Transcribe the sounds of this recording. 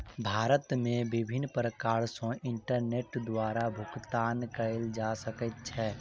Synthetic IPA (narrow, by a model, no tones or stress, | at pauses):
bʱaːɾət̪mẽbɪbʱɪnpɾəkaːɾsõʔɪ̃ɳʈəɾneːʈd̪waːɾabʱʊkt̪aːnkəɾeld͡ʒaːsəkət̪̚t͡ʃʰɛː